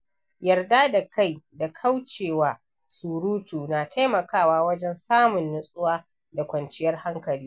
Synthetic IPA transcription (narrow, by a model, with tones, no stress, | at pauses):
jɐ˨rdaː˦da˨ka˦˨jda˨kʰa˦wt͡ʃeː˨waː˨ | suː˨ɾuː˦tuː˨naː˨tʰa˦jmɐ˨kaː˦˨waː˦wɐ˦d͡ʒɛ˦nsaː˦mʊ˨nːʊ˦sʼʊ˦waː˦ | da˨kʷɐ˨nt͡ʃɪ˦jɐ˦rha˦ŋkɐ˨liː˦